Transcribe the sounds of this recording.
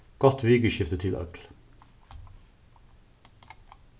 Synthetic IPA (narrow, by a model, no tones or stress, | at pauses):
ɡ̥ɔt̪ʋiːɡəʃɪft̪ət̪ʰɪlʔœ̰kl